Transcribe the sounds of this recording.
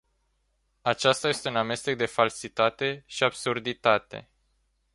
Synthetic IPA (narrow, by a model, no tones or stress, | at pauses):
at͡ʃast̪aje̞st̪e̞uname̞st̪e̞k̚d̪e̞falsit̪at̪e̞ʃiabsurd̪it̪at̪e̞̰